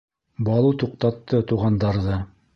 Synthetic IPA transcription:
bɑlˠut̪uqt̪ɑt̪ːɤt̪uʁɑnd̪ɑɾðɤ

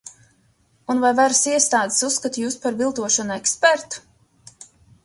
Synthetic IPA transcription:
unvajvaɾsiɛst̪aːd̪e̥susːkat̪juːspaɾvilˠt̪uɔʃɔnɛkspɛɾt̪u̥

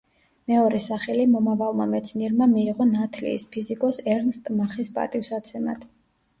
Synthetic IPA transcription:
mɛɔɾɛsaχɛlimɔmavalˠma̰mɛt̪sʰniɛɾmamiːʁɔnat̪ʰlḭːspʰizikʼɔsɛɾnst̪ʼmaχispʼa̰t̪ʼifsat̪sʰɛma̰d̪̥

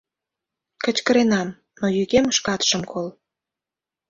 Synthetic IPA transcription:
kət͡ɕkə̆ɾenɑm | nojyɣeməʃkɑt̪ʃə̆mkol

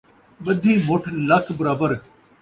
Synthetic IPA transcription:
ɓɐd̪ʱiːmoːʈʰlɐkʰbəɾaːbəɾ

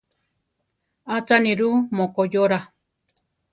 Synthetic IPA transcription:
at͡sanĩɾumõkojoɾa

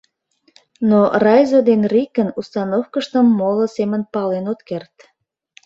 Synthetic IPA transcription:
norɑjzod̪enrikənust̪ɑnofkəʃt̪əmːolosemənpɑlenot̪kert̪

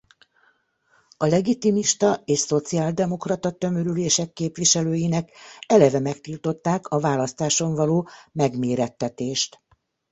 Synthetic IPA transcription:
ɒlɛɡit̪imiʃt̪ɒeːʃso̞t̪siaːld̪ɛmo̞krɒt̪ɒt̪ø̞møɾyleːʃɛkːeːpʋiʃɛløːjinɛkɛlɛvɛmɛkt̪ilt̪o̞t̪ːaːkʰɒvaːlɒst̪aːʃo̞ɱvɒloːmɛɡmeːɾɛt̪ːɛt̪eːʃt̪

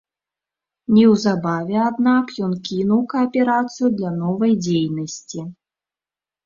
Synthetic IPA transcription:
nʲɛwzabavʲɛad̪nakjɔnkʲinuwkɐːpʲɛɾat̪sɨjud̪lʲanɔvɐjd͡zʲejnɐsʲt͡sʲi

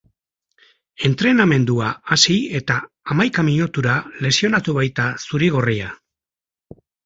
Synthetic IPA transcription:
e̞nt̪ɾe̞name̞nd̪uaasie̞t̪aː | majkamiʎut̪uɾale̞sio̞nat̪uβ̞ajt̪asuɾiɣ̞o̞ria

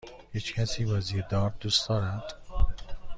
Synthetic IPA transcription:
hiːt͡ʃcʰæsiːvɒːziːed̪ɒːɾd̪uːsd̪ɒːɾæd̪̥

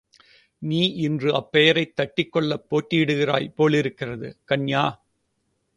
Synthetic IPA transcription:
niːʔɪndrɯɐpːɛjɐɾɐɪt̪ːɐʈːɪkːɔɭːɐpːoːʈːɪjɪɽɯɣɪra̰ːjpoːɭɪɾɯkːɪrɐðɯ̰kɐɳjaː

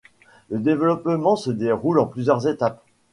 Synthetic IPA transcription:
ləd̪evəlɔpmɑ̃səd̪eʁulɑ̃plyzjœʁzet̪ap

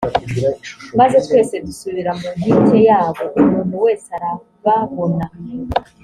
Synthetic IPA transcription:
mazo̞tkwe̞ːse̞dusuβiɾamuniːtejaːβo̞ʔumuːn̥uwe̞ːseaɾa | βaβo̞na

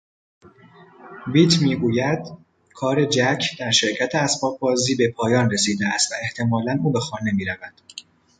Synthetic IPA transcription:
viːt̪ʰmiːɡuːjæd̪̥ | kʰɒːɾe̞d͡ʒæcʰd̪̥æɾʃe̞ɾcʰæt̪ʰeæsbɒːb̚bɒːziːbe̞pʰɒːjɒːnre̞siːd̪eæst̪væe̞ht̪ʰe̞mɒːlænuːbe̞xɒːne̞miːɾævæd̪̥

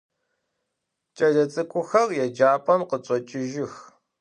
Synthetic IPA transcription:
t͡ʃʼɐɮɐt͡sʼɨkʷʼʊxɐrjɛd͡ʒaːpʼɐmqət͡ʃʼɔt͡ʃʼɪʒɪx

